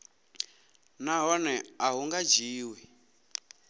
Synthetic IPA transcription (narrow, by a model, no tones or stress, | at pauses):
naɦɔnɛaɦuŋɡad͡ʒiːwɛ